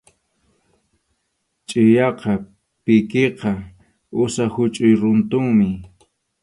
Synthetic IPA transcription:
t͡ʃʼɪjɑqɑ | pɪkeqɑ | ʊsahʊt͡ʃʼʊjɾʊnt̪ʊŋmɪ

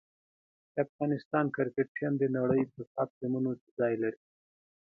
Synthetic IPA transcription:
d̪afɣɑnɪst̪ɑːnkɪɾkeʈʈʰijamd̪enaɽəjpəsap̪̚zimunot͡ʃzɑːjlaɾi

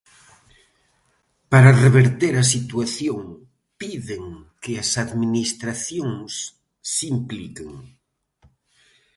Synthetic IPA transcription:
paɾareβeɾt̪eɾas̬it̪waθjoŋ | piðeŋkeasaðminist̪ɾaθjoŋsː | implikeŋ

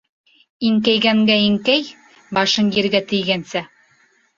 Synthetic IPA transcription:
iŋkæjɡæŋɡæiŋkæj | bɑʃɤŋjĭɾɡæt̪ɘ̆jɡænsæ

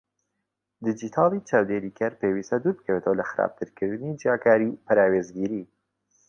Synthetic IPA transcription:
d̪ɪd͡ʒit̪ʰɑlit͡ʃɑːwd̪eɾikaɾpewisad̪uɾkawet̪ʰolaxɾɑ̰b̚t̪əɾkəɾɨnid͡ʒjɑkɑːɾipaɾɑwezɡiɾi

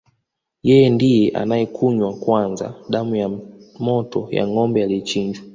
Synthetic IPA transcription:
jɛjɛndijɛʔa̰najɛkʰuɲwakwanza̰ɗamujamɔtɔja̰ŋɔmbɛjalit͡ʃiɲd͡ʒwa

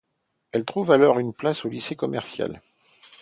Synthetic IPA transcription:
ɛlt̪χuvalɔʁynplasolisekɔmɛʁsja̰l

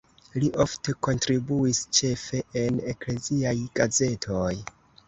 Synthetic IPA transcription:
liʔo̞fte̞ko̞ntɾibuist͡ʃe̞fe̞ʔenekle̞ziajɡ̥aze̞tʰoj

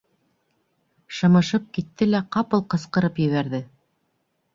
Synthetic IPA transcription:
ʃɤ̆mɤ̆ʃɤp̚kit̪ːɘlæqɑpɤlˠqɤ̆sqɤ̆ɾɤpjɘ̆βæɾðɘ

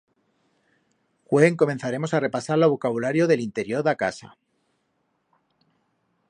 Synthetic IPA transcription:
xwe̞ŋko̞me̞nθaɾe̞mo̞sare̞pasaɾloβ̞okaβulaɾjo̞ðe̞lint̪e̞ɾjo̞ɾðaka̰sa̰

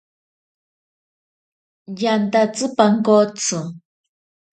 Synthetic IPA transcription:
jant̪at͡sɨpaŋkot͡sɨ

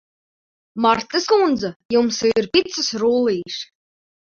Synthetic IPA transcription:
maɾt̪ɨskund̪zajumsiɾpʲit̪sɨsɾuːlˠiːʃ

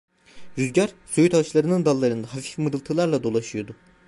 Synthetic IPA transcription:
ɾyzɟaɾsojyt̪at͡ʃlˠaɾɯnɯnd̪alˠːaɾɯnd̪aɦafi̥fmɯɾɯlˠt̪ʰɯlˠaɾlˠad̪o̞lˠaʃɯjo̞d̪ʊ

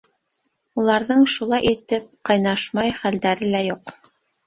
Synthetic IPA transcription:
ulˠɑɾðɤɴʃulˠɑjit̪ɘp̚qɑjnɑʃmɑjχæld̪æɾɘlæjuq

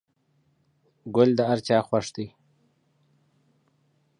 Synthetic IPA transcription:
ɡʊld̪əaɾt͡ʃɑːxwaʂd̪i

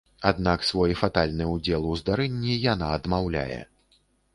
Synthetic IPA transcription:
ad̪naksvɔjfat̪alʲnɨud͡zʲɛlˠuzd̪aɾɛnʲːijanaɐd̪mawlʲa̰jɛ̰

